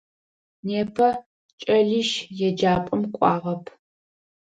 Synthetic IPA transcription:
neːpʰɐ | t͡ʃʼɐɮiʃjɛd͡ʒaːpʼɐmkʷʼɑːʁɐpʰ

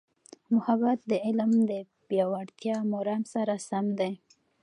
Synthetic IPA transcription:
mʊhabat̪̚d̪əɪlmd̪ə | pjɑwaɽt̪jɑmoɾɑmsaɾasamd̪e

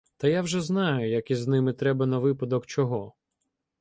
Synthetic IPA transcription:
t̪ɐjawʒɛznɑjʊjɐkiznɪmɪt̪ɾɛbɐnɐʋɪpɐd̪ɔkt͡ʃɔɦɔ

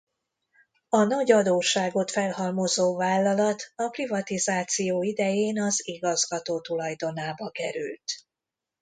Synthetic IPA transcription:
ɒnɒɟɒd̪oːʃaːɡo̞t̪fɛlɦɒlmo̞zoːvaːlːɒlɒt̪ɒprivɒt̪izaːt̪sijoːid̪ɛjeːnɒziɡɒzɡɒt̪oːt̪ulɒjd̪o̞naːbɒkɛɾy̰lt̪

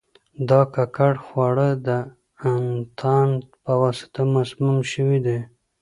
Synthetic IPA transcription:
d̪ɑkakaɽxwɑɽəd̪ə | ant̪ʰɑnpəwɑsɪ̥t̪amazmumʃəwid̪e

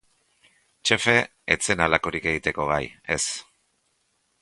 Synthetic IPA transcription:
t͡ʃe̞fe̞ | et͡se̞nalako̞ɾikeɣit̪e̞ko̞ɣaje̞s

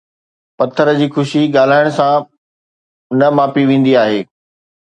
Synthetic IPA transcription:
pɐt̪ʰəɾəd͡ʑiːxʊʃiɡaːl̤aːɪɽ̃ʊsã | nɐmaːpiʋẽːn̆d̪iaːɦeː

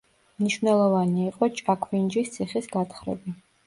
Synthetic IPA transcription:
mniʃvnɛlˠɔvaniaiqʼɔt͡ʃʼakʰvind͡ʒist̪sʰiχisɡat̪χɾɛ̰bi

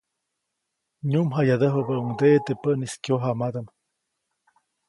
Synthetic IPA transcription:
ɲumɦajad̪əɦəbəuŋd̪eʔt̪epəʔniskjoɦamad̪am

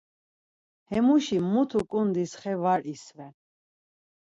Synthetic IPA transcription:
hɛmuʃimːut̪ʰukʼund̪isχɛvaɾisvɛn

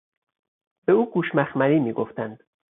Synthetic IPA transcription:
b̥euːɡuːʃmæxmæɾiːmiːɡoft̪ænd̪̥

